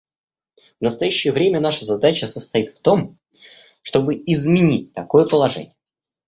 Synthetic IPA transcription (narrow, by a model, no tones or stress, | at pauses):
vnəst̪ɐjæɕːɪjəvɾʲemʲənaʂəzɐd̪at͡ɕəsəst̪ɐit̪ft̪o̞m | ʂt̪o̞bɨɪzmʲɪnʲit̚ʲt̪ɐko̞jəpəlˠɐʐɛ̰nʲɪjə